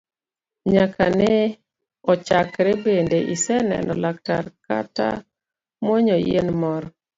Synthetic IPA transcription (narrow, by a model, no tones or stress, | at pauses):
ɲakanɛ | ɔt͡ʃakɾɛbendeʔisɛnɛ̰nɔlak̚ta̰ɾka̰ta̰ | mwoɲɔjenmɔɾ